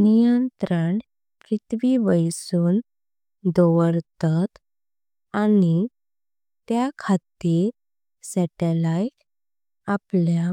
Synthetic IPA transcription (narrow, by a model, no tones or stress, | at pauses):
nijənt̪ɾaɳ | pɾit̪ʋiʋəjsuːn | d̪ɔʋəɾt̪at̪ | ani | t̪jakʰat̪iɾ | sɛʈɛlaik | aplja